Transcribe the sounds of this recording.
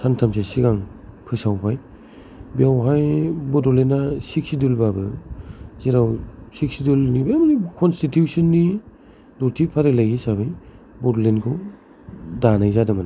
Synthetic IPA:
santʰams̬esiɡaŋpʰɯsawpʰaj | biawɦajbɔdɔlenasik̚sidulbabɯ | ziɾawsik̚sidulnibemanikʰɔnstitjusinːi | dɔtʰipʰaɾelaɡisabaj | bɔdɔlenkʰɔ | danajzadɯmana

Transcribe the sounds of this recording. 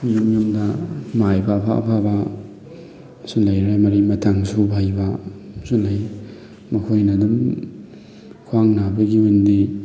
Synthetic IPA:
jumjumdɐmajbɐːpʰa̰ɐ̰pʰabɐ | sulɐjɾemɐɾimɐtʰaŋsubʱajbɐsulɐj | mɐkʰojnɐdum | kʰwaŋnabɐɡiundi

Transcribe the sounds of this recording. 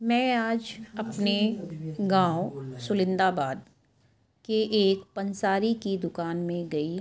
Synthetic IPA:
mɛ̃ːaːd͡ʒɐpneɡãːosʊlɪ̃nd̪aːbaːd̪̚ | keʔeːkpɐnsaːɾikid̪ʊkaːnmẽɡɐi

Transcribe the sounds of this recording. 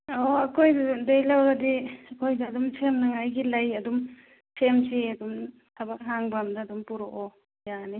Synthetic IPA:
oɐkʰojdadejlawɡɐdiɐkʰojdaːdumsʰemnɐŋajɡilajɐdum | sʰemsiɐdum | tʰɐbak̚ɦaŋbamdaːdumpuɾoʔɔ | jani

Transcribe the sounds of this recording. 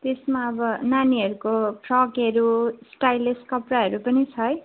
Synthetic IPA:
t̪esmaʌbʌnaniʌɾukopʰrʌkʌɾusʈajleskʌpraɦʌɾupʌnit͡sʰʌj

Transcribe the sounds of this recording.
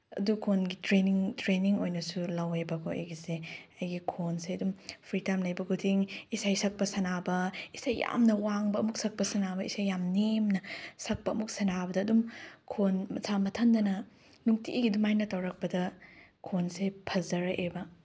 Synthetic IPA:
ɐ̰dukʰonɡitɾeniŋtɾeniŋojnɐsulɐwebɐkʰoḛjɡiseɐjɡikʰonseɐdumpʰɾitajmlɐjbɐɡutʰiŋisajsɐk̚pɐsɐnabɐisajːa̰mnɐwaŋbɐɐmuk̚sɐk̚pɐsɐnabɐisajːamnemnɐsɐk̚pɐːmuk̚sɐnabɐdɐːdumkʰonmɐsʰamɐtʰɐndɐnɐ | nuŋtiʔiɡidumajnɐtɐwɾɐk̚pɐdɐkʰonsepʰɐzɐɾɐʔebɐ

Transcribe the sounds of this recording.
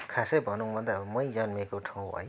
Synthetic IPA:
kʰasebʱʌnuŋbʱʌnd̪abmʌjd͡zʌnmekoʈʰaw̃ɦʌ̰j

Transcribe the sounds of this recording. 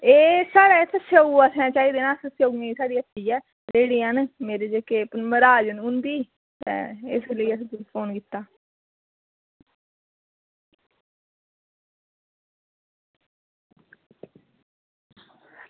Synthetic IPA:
eːsaːɽeːɪt̪ʰəsoːuəsãːt͡ʃaːiːd̪eːnãːsəsjoːɡniisaːɽiːət̪ʰːiːɛː | d͡ʒeːɽiːanmeːɾeːd͡ʒeːkeːpnməɾaːd͡ʒənʊ̃nd̪iː | t̪ɛ̰ːɪsləiːəst̪pʰoːnkɪt̪ːaː

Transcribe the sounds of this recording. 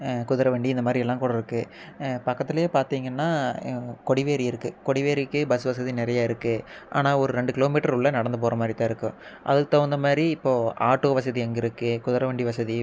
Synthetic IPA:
kʊðɪɾɐʋɐɳɖiɪnd̪ɐmaːd̪ɾiɛlːãːkuːɽɐɪɾɯkːɯ | pɐkːɐt̪ːɪlɐjeːpaːɾt̪iːŋɡɐnːaːkɔɽɪʋeːɾiɪɾɯkːɯkɔɽɪʋeːɾɪkːɯbɐsɯʋɐsɐðinɪɾɐjaːɪɾɯkːɯ | ʔa̰ːnaːɔɾɯɾɛɳɖɯkɪloːmiːʈːɐɾʊɭːɐnɐɽɐnd̪ɯpoːɾɐmaːd̪ɾɪt̪ːãːɪɾɯkːʊ̃ʔɐ̰ðɯkːɯt̪ɐʋɐnd̪ɐmaːd̪ɾiɪpːoːaːʈːoːʋɐs̬ɐðiɛŋɡɪɾɯkːɯkʊðɪɾɐʋɐɳɖiʋɐsɐði

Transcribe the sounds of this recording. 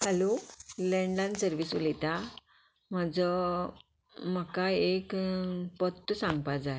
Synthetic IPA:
həlolɛ̃ɳɖlãnsəɾʋiːsulit̪a | m̤əd͡zə | m̤əkaekpət̪ːəsãŋɡ̚pad͡zae

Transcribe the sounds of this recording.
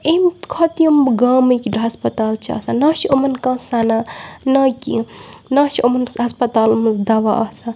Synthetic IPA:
emkʰɐt̪ijɐmɡaːmikiʈɦɐspɐt̪aːlt͡ʃʰa̰ːsanat͡ʃʰiomɐnkãːsananakʲḭnaːt͡ʃɐmɐnɦɐspɐt̪aːlmɨzd̪ɐʋaʔɐsa

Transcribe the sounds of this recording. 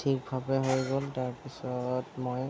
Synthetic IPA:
tʰik̚bʱabɛɦoɹɡoltaɹpisɔtmoj

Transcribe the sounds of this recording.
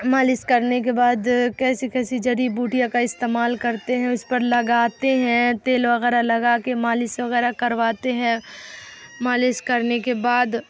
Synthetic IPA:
maːlɪskɐɾnek̬ebaːd̪kɛːsikɛːsid͡ʒɐɾibuːʈijakaɪst̪eːmaːlkɐɾt̪eɦɛ̃ʊspɐɾlɐɡaːt̪eɦɛ̃t̪eːlʋɐɣɛːɾalɐɡaːkemaːlɪsʋɐɣɛːɾakɐɾʋaːt̪eɦɛ̃ | maːlɪskɐɾnekebaːd̪

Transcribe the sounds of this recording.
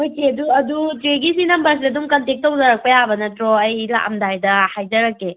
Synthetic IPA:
ojteɐduɐduteɡis̬inɐmbɐɾs̬idɐdumkɐntek̚tːɐwzɐɾɐk̚pɐjabɐnɐtɾɔɐjla̰kɐmdajdɐhajd͡ʒɐɾɐkːe

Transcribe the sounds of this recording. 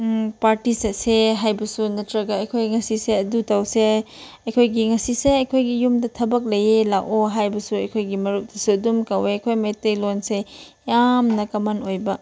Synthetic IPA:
paɾtisɐseɦajbɐsunɐtɾɐɡɐɐjkʰojŋɐsiseɐdutawse | ɐjkʰojɡiŋɐsiseɐjkʰojɡijumdɐtʰɐbɐk̚lɐjelawʔoɦajbɐsuɐjkʰojɡimɐɾut̚dɐsuɐdumkaweɐkʰojmetelonse | jamnɐkɐmɐnojbɐ

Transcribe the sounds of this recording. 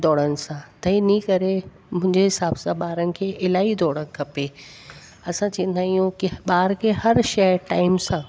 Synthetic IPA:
d̪ɔːɽənɪ̆sãt̪ɐinĩkɐɾe | mʊ̃ɪ̃ɲd͡ʑeɦɪsaːbsãɓaːɾənɪ̆kʰeːʔɪlaːid̪ɔːɽən̆kʰɐpe | ɐsãt͡ɕĩːə̃n̆d̪ʱaːijũkɪɓaːɾkʰeɦɐɾʃɐʈaːɪmsã

